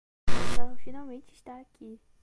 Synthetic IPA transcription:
ẽt̪ɐ̃w̃finawmẽnt͡ʃɪʃt̪aːkʰi

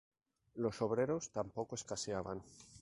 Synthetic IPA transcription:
lo̞so̞β̞ɾe̞ɾo̞st̪ampo̞koe̞skaseaβan

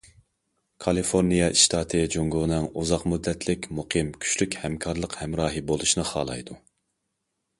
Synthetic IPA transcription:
kʰɑlˠifoɾnijɑʔiʃt̪ʰɑːt̪ʰɨd͡ʒoŋɡonɛŋuzɑqmud̪ːɛt̪ʰlɪkʲmuqʰɨmkʲʰy̥ʃlykʲhɛmkʰɑɾlˠəqhɛmɾɑːɦɨbolˠuʃnɨχɑ̰ːlˠɑ̰jd̪u

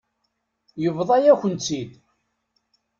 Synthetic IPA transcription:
jəvðˤɑjæçʷənt͡sːid̪

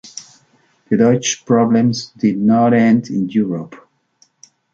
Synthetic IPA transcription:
bɨðɔt͡ʃpɹɔblə̃mzdɪd̚ⁿnɔɾɛ̃ndɪ̰̃njuɹəp

